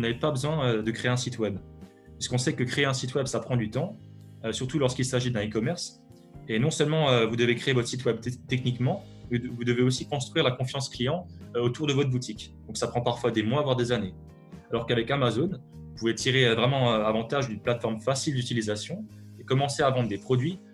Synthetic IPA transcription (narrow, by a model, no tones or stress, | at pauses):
vunavɛpabəzwɛ̃ød̪əkχeeɛ̃sit̪wɛb | piskɔ̃sɛkəkχeeɛ̃sit̪wɛbsapχɑ̃d̪yt̪ɑ̃ | øsyʁt̪ulɔʁskilsaʒid̪ɛ̃ikɔmɛʁs | enɔ̃sœlmɑ̃øvud̪əvekχeevɔt̪χə̥sit̪wɛb̪t̪ɛk̚nikmɑ̃ | mvud̪əveosikɔ̃st̪χɥiʁlakɔ̃fjɑ̃sklijɑ̃ot̪uʁd̪əvɔt̪χbut̪ikd̪ɔ̃ksapχɑ̃paʁfwad̪emwavwaʁd̪ezane | alɔʁkavɛkamazon | puvet̪iʁevʁɛmɑ̃øavɑ̃t̪aʒynplat̪fɔʁmfasild̪yt̪ilizasjɔ̃ | ekɔmɑ̃seavɑ̃d̪ʁd̪epχɔd̪ɥi